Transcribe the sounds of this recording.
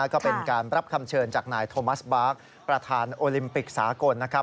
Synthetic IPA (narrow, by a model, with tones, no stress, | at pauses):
kɔː˥˩pe˧nkaː˧nɾa˦˥p̚kʰa˧mt͡ɕʰɤː˧nt͡ɕaː˨˩k̚naː˧jt̪ʰoː˧ma˦˥sbaː˦˥k̚ | pɾa˧t̪ʰaː˧nʔoː˧li˧mpi˨˩k̚saː˩˦ko˧nːa˦˥kʰa˦˥